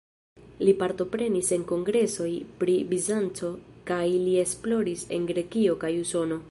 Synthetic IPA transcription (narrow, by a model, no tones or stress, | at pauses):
lipaɾto̞pɾe̞nise̞ŋko̞ŋɡɾe̞so̞jpɾibizant͡so̞kajlie̞splo̞ɾise̞̰nɡɾe̞kio̞kajuso̞no̞